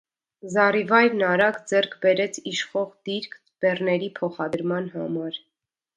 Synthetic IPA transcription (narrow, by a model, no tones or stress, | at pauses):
zɑrivɑjɾnɑɾɑɡd͡zɛrkʰbɛɾɛt͡sʰiʃχɔʁd̪iɾkʰ | b̥ɛrnɛɾipʰɔχɑd̪əɾmɑnɦɑmɑɾ